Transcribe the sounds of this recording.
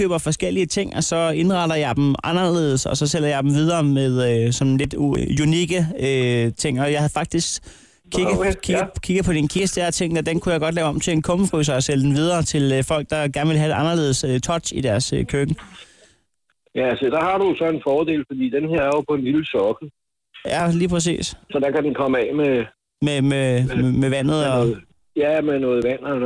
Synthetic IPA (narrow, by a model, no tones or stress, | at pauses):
ø̰ːb̥ɐfɒ̽sɡ̥el̰iət͡sʰe̝ŋ̰ɒ̽sɒ̽e̝nʁɑ̈dɐjɑ̈ɪd̥m̩ɑ̈nɐle̝̰ːð̞ˠsɒ̽sɒ̽sel̰ɐjɑ̈ɪd̥m̩ʋið̞ˠɐːmeð̞ˠøsɒ̽nle̝d̥uuniɡ̥əøt͡sʰe̝ŋ̰ɒ̽jɑ̈ɪhæð̩ˠfɑ̈ɡ̥̚d̥isɡ̥ | kʰːiɡ̥ð̩ˠʰi̥kʰiɡ̥ð̩ˠpʰɒ̽d̥inkʰisd̥æɐt͡sʰe̝ŋ̰nɒd̥enkʰujɑɪɡ̥ɒ̽d̥lɛːʊɒ̽m̰t͡sʰe̝enkʰɔ̽məfʁysɐɒsel̰d̥en̩ʋið̞ˠɐːt͡sʰe̝lfɒ̽l̰ɡ̥̚d̥ɑ̈ɡ̥æɐnəʋe̝lɦæ̥eʔɑ̈nɐle̝ːð̞ˠsøt͡sʰɒ̽d̥id̥æɐsøkʰøɡ̥ə | jæsɒd̥ɑ̈hɑ̈ɾ̥ujosɒ̽e̝nfɒːd̥e̝̰ːlfɒd̥ḭːd̥enhe̝ɐ̰æɐjopʰɒ̽e̝nliləsɒɡ̥l̩ | jæliːpʰʁɛs̬ḭːssɒ̽d̥ɑ̈kæd̥enkʰɒ̽məɛme | mememeʋæn̰ð̞̩ˠɒ̽ | jæmenɔ̽ːð̩ˠʋæn̰ɐ